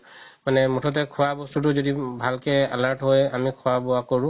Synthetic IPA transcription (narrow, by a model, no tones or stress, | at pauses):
manɛmutʰɔt̬ɛkʰuwabɔstut̬ʊzodibʱalkɛa̰laɹtɦojamikʰuwabɔakoɹʊ̃